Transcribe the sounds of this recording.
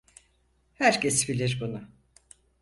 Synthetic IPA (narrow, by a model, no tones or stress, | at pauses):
hæɾcʰɛsbilʲiɾbunʊ